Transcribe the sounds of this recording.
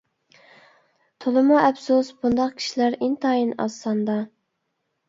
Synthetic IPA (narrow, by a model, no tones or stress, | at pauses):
t̪ʰolˠɨmuɛpsusbund̪ɑqkʲʰi̥ʃilæɾint̪ʰɑjinɑ̰sɑnd̪ɑ